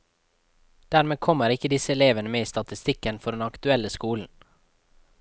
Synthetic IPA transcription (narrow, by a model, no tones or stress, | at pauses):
d̪̥æːɾmeːkʰɔməɾɪkəd̪ɪsəɛleːʋənəmeːiːst̪ɑt̪ɪst̪ɪkənfɔɖ̪ɛnɑkt̪ʉɛləskuːln̩